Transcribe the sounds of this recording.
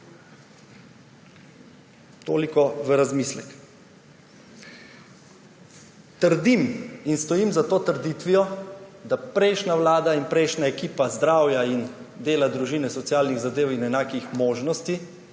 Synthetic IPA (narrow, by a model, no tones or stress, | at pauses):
t̪oːlikɔʋəɾazmiːslɛ̰k | t̪əɾd̪iminst̪ɔjiːmzat̪oːt̪əɾd̪iːt̪ʋijɔd̪apɾɛɪʃnaʋlaːd̪ainpɾɛjʃnaɛkiːpazd̪ɾaːwjaind̪eːlad̪ɾuʒiːnɛsɔt̪sjaːlniɣzad̪eːwinɛnaːkixmoːʒnɔst̪i